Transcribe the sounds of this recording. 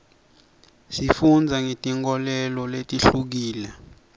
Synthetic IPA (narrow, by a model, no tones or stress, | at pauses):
sifund͡zʱaŋetʼiŋkɔlɛlɔletʼiɬuk̬iːlɛ